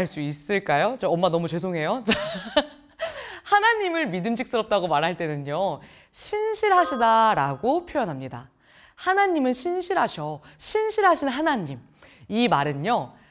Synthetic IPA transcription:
aɭs͈uis͈ɯɭk͈ajot͡ɕaʌmːanʌmut͡ɕwe̞sʰoŋɦe̞jot͡ɕa | hanaɲimɯɭmidɯmɕ̬ʰik̚s͈ɯɾʌp̚t͈aɡomaɾɦaɭt͈e̞nɯɲɲo | ɕʰinɕʰiɾɦaɕʰidaɾaɡopʰjojʌnɦamɲida̰ | hanaɲimɯnɕʰinɕʰiɾɦaɕʰʌɕʰinɕʰiɾɦaɕʰinɦanaɲim | imaɾɯnːo

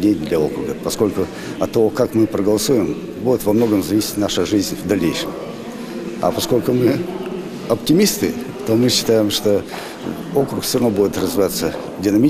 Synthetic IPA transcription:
dʲenʲd̪lʲɐokɾʊɡəpɐsko̞lʲkʊ | ɐt̪ːɐvokakmɨpɾəɡəlˠɐsujɪm | budʲɪt̪vɐmno̞ɡəmzɐvisʲɪ̥tʲnaʂɨʐɨzʲnʲvd̪ɐlʲːejʂɨm | ɐ̰pɐsko̞lʲkʊmɨ | ɐptʲɪmʲist̪ɨ̰t̪omɨɕːɪ̥t̪ajɪmʂt̪o | okɾʊkfsʲɪɾɐnobudʲɪt̪rəzvɪvat̪sːə | dʲɪnɐmʲi

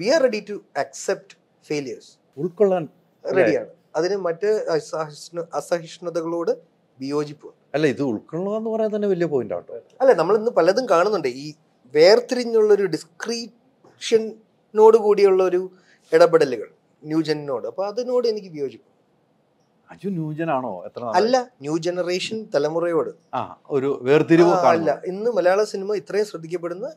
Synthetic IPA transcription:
ʋiarːeɽitːuɐksep̚ʈ | feːljɐrs | uɭkɐɭːaːn | reɽija̰ːɳɨ | ɐðinɨmɐtːɨɐsiʂnɐsɐɦiʂɳɐðɐɣɐɭo̞ːɽɨ | bijo̞ːd͡ʑipːuʋɐ̰ːɐlːeiðɨuɭkːɐɭːɐenːɨpɐrɐjant̪ɐnːeʋɐlijɐpoːɣinda̰ʋʈː | ɐlːeːnɐmːɐɭinːɨpɐlɐɐðumkaːɳunːuɳɖɨiː | ʋe̞ːrt̪ːiɾiɲːuɭːɐo̞ɾuɖiskriː | ʂɐnː | o̞ːɽɨkuːɽijuɭːɐo̞ɾu | eɽɐbeɽɐliɣɐ̰ɭ | njuːd͡ʑɐnno̞ːɽɨɐpːo̞ːɐðuno̞ːɽɨe̞nikʲːɨʋijo̞ːd͡ʑipːu | ɐd͡ʑunjuːd͡ʑɐnaːɳo̰ːet̪ːrɐɐlːɐnjuːd͡ʑenɐreːʂɐnt̪ɐlɐmurɐjo̞ːɽɨ | a̰ːoɾuʋeːrt̪iɾiʋɐaɐlːɐinːɨmɐlɐjaːɭɐsinimɐit̪ːrɐjumɕrɐd̪ʱːikʲːɐp̬ːe̞ɽunːɐ

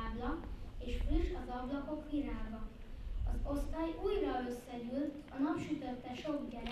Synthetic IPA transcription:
blɒeːʃfryʃɒzɒblɒko̞kʋiɾaːɡɒ | ɒzo̞st̪aːjuːjrɒø̞sːɛɟylt̪ʰɒnɒpʃyt̪ø̞t̪ːɛʃo̞ɡɟɛl

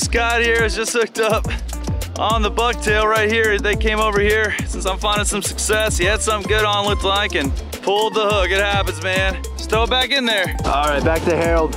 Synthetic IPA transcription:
skaɪɾ̚hiɹɨzd͡ʒʌst̚hʊk̚tʌp | ʔə̃n̩ðəbʊk̚tʰeɪlˠɹaɪt̚hiɹðeɪkʰẽɪ̃moʊvə˞hiɹsɪ̃nsãɪ̃ɱfãɪ̃ndɨ̃nsʌ̃msɨksɛshiɨd̥sʌ̃mɡʊɾn̩lʊktlaɪkɨ̃n | pʰʊlˠd̪̚ðəhʊɡɨd̚hæpɨ̃nzmæ̃n | stoʊbækɨ̃nðə˞ʔɔlˠɹaɪt̚b̥æk̚tɨhɛɹl̩ˠd̥̚

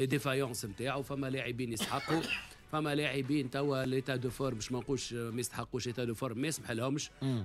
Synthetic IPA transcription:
d̪efæjɑ̃ːsmt̪aːʕufæmːælaʕibiːnjəst̪ħɑqːu | fæmːælaʕibiːnt̪æwːælet̪æd̪ufoɾˤbɛʃmænquːlʃmɛjəst̪ħɑqːuːʃlet̪æd̪ufoɾˤmːæjəsmħəlhʊmʃ

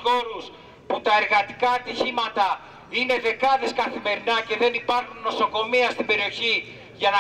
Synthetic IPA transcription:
o̞ɾus | put̪ɐe̞ɾɣɐt̪i̥kɐːt̪içimɐt̪ɐ | ine̞ðe̞kɐðe̞skɐθime̞ɾinɐce̞ðe̞nipɐɾxunːo̞so̞ko̞miɐst̪ibe̞ɾio̞çi | ʝɐnɐ

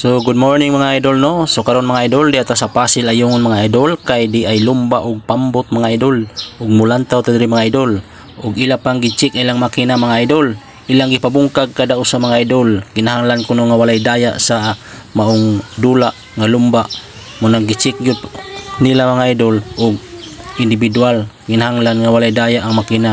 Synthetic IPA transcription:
soɡʊd̪̚moɹnɪŋmaŋaajd̪olnosokaɾonmaŋaajd̪old̪iʔat̪asapasɪlajuŋʊnmaŋaajd̪olkajd̪iʔajlʊmbaʔʊɡ̚pambʊt̪̚maŋaajd̪olʔʊɡ̚mʊlant̪awt̪ad̪ɾimaŋaajd̪ol | ʔʊɡilapaŋɡit͡ʃɪkajlaŋmakinamaŋaajd̪ol | ʔilaŋɡipabuŋkaɡ̚kad̪aʔʊsamaŋaajd̪olkinaɦaŋlankʊnoŋawalajd̪ajaʔsamaʔʊŋd̪ulaʔ | ŋalʊmbaʔ | mʊnaɡit͡ʃɪk̚ɡʊd̪nilamaŋaajd̪olʔʊɡ̚ɪnd̪ɪbid̪ualkɪnahaŋlanŋawalajd̪ajaʔaŋmakina

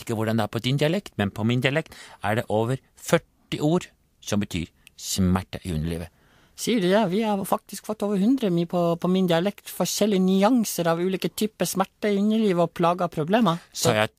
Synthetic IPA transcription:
ɪ̥kːəʋʊɖɑnd̪ɛæɾpʰɔd̪ɪnd̪ɪɑlɛkt̪mɛnpʰɔmɪnd̪ɪɑlɛkt̪æɖɛʔoːʋəɾ | fœʈːɪʔuːɾ | sɔmbət̪ʰy̰ːɾsmæʈːə̰ʔɪ̰ʉ̰nːəɭḭːʋə | siːəɖʉd̪ɛʋɪhɑɾfɑk̚t̪ɪskfɔt̪ːoːʋəɾhʉnd̪ɾəmiːpʰɔpʰɔmɪnd̪ɪɑlɛkt̪fɔʂɛlːɪənʏɑŋsəɾɑʋʉːliːkət̪ʰyːpəsmæʈːəɪʉnːəɭiːʋəɔpʰlɑːɡəpʰɾʊbleːmɑsɑ

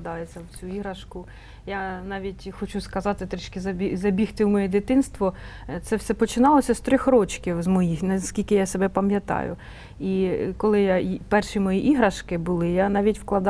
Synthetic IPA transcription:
d̪ɑjet͡sʲːɐwt͡sʲuiɦɾɐʃkʊ | janɑʋʲitʲxɔt͡ʃuskɐzɑt̪ɪt̪ɾɛt͡ʃkʲɪzɐbʲizɐbʲixt̪ɪwmɔjɛd̪ɪt̪ɪnst̪ʋɔt̪sɛwsɛpɔt͡ʃɪnɑlˠɔsʲɐst̪ɾʲɔxɾɔt͡ʃkʲiwzmɔjixnɐskʲilʲkɪjasebɛpɐmʲjɐt̪ɑ̰jʊ̰ | ikɔlˠɪjaipɛrʃimɔjiʔiɦɾɐʃkɪbʊlˠɪjanɑʋʲitʲwklˠɐd̪

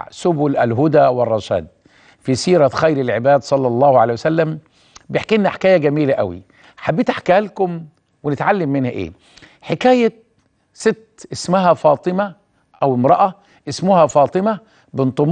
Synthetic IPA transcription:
ʕsʊbʊlʔælɦʊd̪æːwɪrˤːɑʃæ̰ːd̪̚ | fisiːɾˤæxæjɾɪlʕɪbæːd̪sˤɑlːɑlˤːɑːhʕa̰læːjwæsælːæm | bɪjeħkiːʔɪnːaħkæːjæɡæmiːlæʔæ̰wḭ | ħabːiːt̪aħkæælkʊm | wɪnɪt̪ʕalːɪmːɪnhæʔḛː | ħekæːjæ | sɪt̪ːʔɪsmʊɦæfɑːt̪ˤɨmæ | ʔæwɪmɾˤɑʔæ | ʔɪsmʊhæfɑːt̪ˤɨmæ | bɪnt̪ˤom

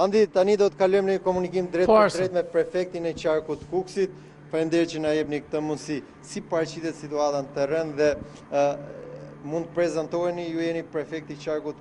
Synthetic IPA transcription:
and̪it̪anid̪ɔt̪əkalɔjmnəəkɔmunikimd̪ɾɛtd̪ɾɛt̪mɛpɾɛfɛk̚t̪inɛt͡ʃaɾkut̪kuksit̪̚ | falnd̪ɛɾt͡ʃənajɛpnikt̪əmunsi | sipaɾt͡ɕiðɛt̪sit̪uat̪anət̪ɛɾɛnðɛ | mund̪əpɾɛzant̪ɔɛnijujɛnipɾɛfɛk̚t̪it͡ɕaɾkut̪

